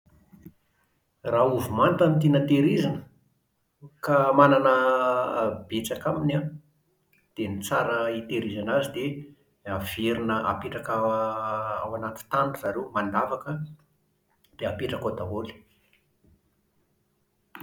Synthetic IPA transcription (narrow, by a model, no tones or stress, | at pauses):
rauvumant̪anit̪enət̪eɾizanə̥ | kamananə | b̥et͡sakamina | d̪̥enit͡saɾəit̪eɾizanazid̪e | av̥eɾinəʔa̰peʈ͡ʂaka | awanat̪u̥t̪anuzaɾewmand̪avakə | d̪̥eapeʈ͡ʂakod̪aoli̥